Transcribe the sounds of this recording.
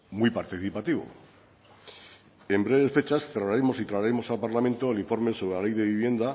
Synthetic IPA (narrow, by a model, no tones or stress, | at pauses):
mwipaɾt̪iθipat̪iβ̞o̰ | e̞mbɾe̞βe̞sfe̞t͡ʃasθeraɾemo̞sit̪ɾaɾemo̞salpaɾlamẽ̞nt̪oeliɱfo̞ɾme̞soɾelale̞jðe̞βiβ̞je̞nd̪a